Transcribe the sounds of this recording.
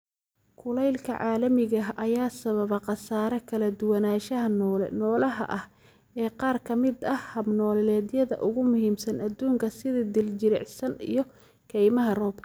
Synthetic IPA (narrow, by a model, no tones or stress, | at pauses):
kʰʊlɛjlkʰɐ̰ʕɑːlɐmɪɣɐɦʔɐjaːsɐβɐβɐqɑsaːɾɛkʰɐlɐd̪ʊwɐnaːʃɐɦɐnɔːlɛ̰nɔːlɐɦɐ̰ʔɐh | ɛːqɑːrkʰɐmɪd̪ɐhhɐbnɔːllɛːd̪jɐðɐ̰ʔʊɣʊmʊhiːmsɐnɐd̪uːŋkʰɐsɪðid̪ɪlt͡ʃɪɾɛ̰ʕsɐnḭjɞ | kʰɛjmɐɦɐrɔːbkʰ